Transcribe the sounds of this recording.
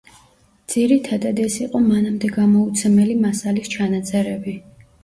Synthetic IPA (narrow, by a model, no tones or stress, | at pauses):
d̪z̥iɾit̪ʰad̪ad̪ɛsiqʼɔmanamd̪ɛɡamɔut̪sʰɛmɛlimasalist͡ʃʰanat̪sʼɛɾɛbi